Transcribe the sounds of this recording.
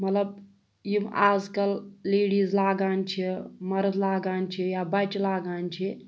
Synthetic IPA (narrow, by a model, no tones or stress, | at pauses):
mɐt̪ləb̚ | jimaːzkɐlːeːɽiːzlaːɡaːnt͡ʃʰimɐɾəzlaːɡaːnt͡ʃʰijaːbɐt͡ʃlaːɡaːnt͡ʃʰi